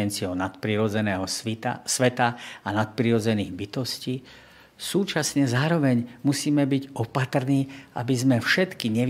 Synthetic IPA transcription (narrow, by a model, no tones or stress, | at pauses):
ɛnt͡siɔʊnat̪pɾiɾɔd͡zɛnɛːɦɔsʋɛt̪aːnat̪̚pɾiɾɔd͡zɛniːɣbit̪ɔsciː | suːt͡ʃasɲɛzaːɾɔʋɛɲmusiːmɛbiɟɔpat̪r̩niːʔa̰bizmɛfʃɛt̪kiɲɛ